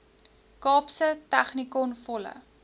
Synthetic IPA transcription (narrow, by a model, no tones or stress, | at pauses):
kɑːpsətæχnikɔnfɔlə̰